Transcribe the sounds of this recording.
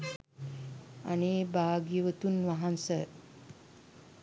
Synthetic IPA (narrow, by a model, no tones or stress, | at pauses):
a̰neːbaːɡiʋət̪unʋaɦansə